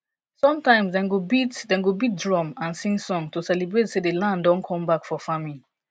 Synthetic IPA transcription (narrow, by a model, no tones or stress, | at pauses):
sɔ̃mtãɪ̃msdɛ̃nɡobitdɛ̃nɡobit̚dɹɔ̃mãnsĩŋɡsɔ̃ŋtusɛlibɹetsedelãnddɔ̃nkʰɔ̃mbakfɔfamĩn